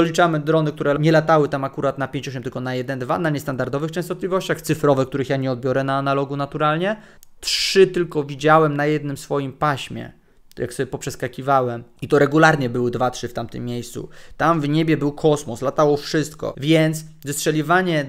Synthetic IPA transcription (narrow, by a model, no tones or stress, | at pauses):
ɔlʲit͡ʂamɘd̪ɾɔnɘk̚t̪uɾɛɲɛlat̪awɘt̪amakuɾat̪napʲjẽɲt͡ɕɔɕ̬ɛmt̪ɘlkɔnajɛd̪ɛnd̪va̰naɲɛst̪and̪aɾd̪ɔvɘxt͡ʂɛ̃st̪ɔt̪lʲivɔɕt͡ɕaxt̪sɘfɾɔvɛkt̪uɾɘxjaɲɛɔd̪̚bʲjɔɾɛnaːnalɔɡunat̪uɾalɲɛ | tʂʂɘt̪ɘlkɔvʲid͡ʑawɛmnajɛd̪nɘmsfɔjimpaɕmʲjɛ̰ | jaksɔbʲjɛpɔpʂɛskakʲivawɛmit̪ɔɾɛɡulaɾɲɛbɘwɘd̪vatʂɘft̪amt̪ɘ̰mːjejst̪sṵt̪amvɲɛbʲjɛbɘwkʰɔsmɔslat̪awɔfʂɘst̪kɔ̰vʲjɛnt̪s | zɨstʂɛlʲivaɲɛ